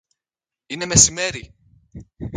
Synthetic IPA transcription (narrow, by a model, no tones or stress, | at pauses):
inɛmɛsimɛɾi